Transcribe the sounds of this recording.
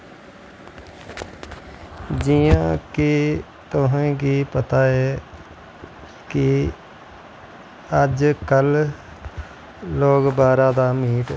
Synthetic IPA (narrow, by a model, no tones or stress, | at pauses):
d͡ʒijãːki | t̪ʊɦẽːkiːpət̪aːɛː | kɪ | əd͡ʒkəl | loːɡbaːɾaːd̪aːmiːʈ